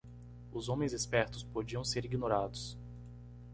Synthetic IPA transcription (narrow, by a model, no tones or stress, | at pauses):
ʊzõmẽj̃zespɛɾt̪ʊspod͡ʒiɐ̃w̃seɾiɡinoɾad̪ʊs